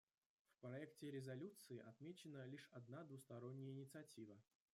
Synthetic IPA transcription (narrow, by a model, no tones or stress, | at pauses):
fpɾɐɛktʲɪɾʲɪzɐlʲut̪sɨɪʔɐt̪mʲet͡ɕɪnəlʲiʂɐd̪nad̪vʊst̪ɐɾo̞nʲːɪjəɪnʲɪt̪sɨɐtʲivə